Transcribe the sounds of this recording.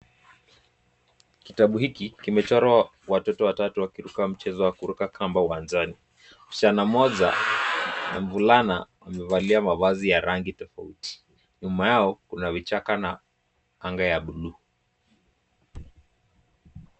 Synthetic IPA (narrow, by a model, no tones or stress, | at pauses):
kitaɓuhikikimɛt͡ʃaɾa | watɔtɔwatatuwakiɾukam̩t͡ʃɛzɔwakuɾukakʰambawanzani | ut͡ʃanamɔʄa̰ | na̰ɱvulana̰wamɛvaliamaβazijaɾaŋɡitɔfauti̥ | ɲumajaɔkunavit͡ʃakana | aŋɡajaɓulu